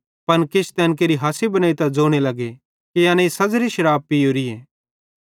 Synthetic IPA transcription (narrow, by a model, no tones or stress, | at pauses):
pɐnkɪt͡ʃʰt̪ɛːnk̬eːɾiɦaːsibɐnaːit̪ad͡zoːɽ̃elɐɡe | kijãːnẽĩsɐzɾiʃɐɾaːb̚pːijoːɾieː